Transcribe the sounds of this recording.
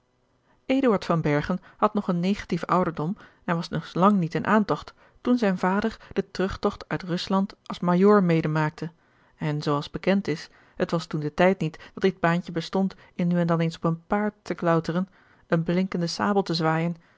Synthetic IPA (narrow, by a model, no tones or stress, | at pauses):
ʔejduɑɹtfɑnbɛɹχənhɑtnɔχənːejχḁtifʔʌwdəɹdɔm | ɛnʋɑsnɵslɑŋnitɪnʔaːntɔχtː | unzɛjnvaːdəɹd̥ətrɵχtɔχtœɥtrɵslɑntɑlˠsmajʊːɹmejdəmaːk̚tʰə | ɛnzowɑlˠzbəkɛntɪs | hətʋɑstundətɛjtnitd̥ɑtɪd̚baːncəbəstɔnt | ɪnːyɛndɑnensɔpənpaːɹtːəklœwtərən | ənblɪŋkəndəsa̰ːbəl̩ˠtəzʋaːjən